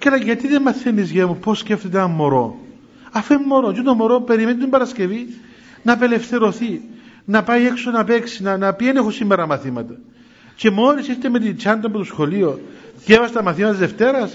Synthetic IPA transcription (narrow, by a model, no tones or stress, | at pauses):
kelɐʝɐt̪iðemːɐθːenizʝemuposːceft̪et̪eɐmːo̞ɾo̞̰ | ɐfemːo̞ɾot͡ʃet̪omoɾope̞ɾimenit̪imbɐɾɐsce̞vi | nɐpe̞le̞fθe̞ɾo̞θi | nɐpajeksonɐpe̞ksinɐnɐpienexosimːeɾɐmɐθimɐt̪ɐ | t͡ʃe̞mo̞ɾisist̪emet̪̬int͡ʃɐnd̪ɐpot̪osxo̞liocevɐset̪ɐmɐθimɐt̪t̪zðeft̪e̞ɾɐs